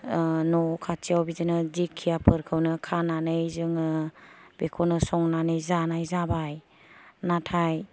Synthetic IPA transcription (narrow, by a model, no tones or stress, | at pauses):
nɔkʰat͡ʃiawbizɯnɯzikʰːijapʰɯɾkʰɯwnɯkʰananɯjzɯŋɯbekʰɔnɯsɔŋnanɯjzanajzabaj | natʰaj